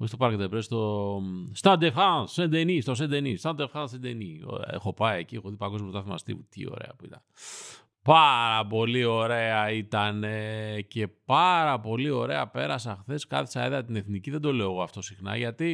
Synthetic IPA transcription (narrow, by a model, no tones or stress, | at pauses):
oist̪opɐɾked̪epɾest̪ost̪ɐnd̪efxasend̪enist̪os̬end̪enist̪ɐnd̪efxansend̪enio̰ḛxo̞pɐieciexoðipɐɡo̞zmt̪ɐθimɐ̰st̪ḭvut̪ḭo̞̰ɾḛɐ̰puit̪ɐn | paɾɐpo̞lio̞ɾe̞ɐit̪ɐnece̞pɐɾɐpo̞lio̞ɾe̞ɐpe̞ɾɐs̬ɐxθe̞skɐ̰θi̥sɐeðɐt̪ine̞θniciðed̪o̞le̞oɣoɐft̪o̞sixnɐ̰ʝɐt̪i